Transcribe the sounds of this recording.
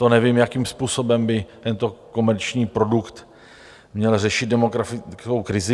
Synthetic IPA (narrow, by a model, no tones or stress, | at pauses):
t̪o̞nɛvimjakimspuːso̞bɛmbɪt̪ɛnt̪o̞ko̞mɛɾt͡ʃɲiːpɾo̞dukt̪ | mɲɛlrɛʃɪt̪dɛmo̞ɡɾafɪkowkɾɪzɪ